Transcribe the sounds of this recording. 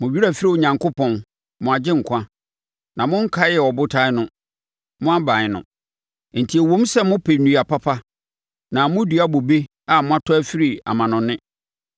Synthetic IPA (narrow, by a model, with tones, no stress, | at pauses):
mʊ̃˨bi˦ɾa˦˨fi˦ɾi˦˨o˨ɲã˨ŋko˦pʰɔ̃˨n | mʊ̃˨a˨d͡ʑɪ̃˦ŋ̩˨kʷʰã˦ | nã˨mʊ̃˦ŋ̩˦kʰa˦jɛ˨ɔ˨bʊ˦tʰa˦nʊ̃˦ | mʊ̃˦a˦bã˨ɲ˨nʊ̰̃˨ | n̩˨tʰi˨e˨wõ˦m˦sɛ˦mʊ̃˦pʰe˨nũ˨a˨pʰa˦pʰa˦ | nã˨mʊ̃˦dɥa˦bo˨be˦ | a˨mʊ̃˦a˦tʰɔ˦æ˦fi˦ɾi˨a̰˨mã˨nʊ̃˨nɪ̃˦